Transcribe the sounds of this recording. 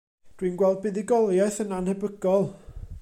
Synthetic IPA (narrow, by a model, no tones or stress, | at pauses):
d̥winɡwɛlˠd̚bɪðɪɡɔlˠjɛθənanhɛbəɡɔlˠ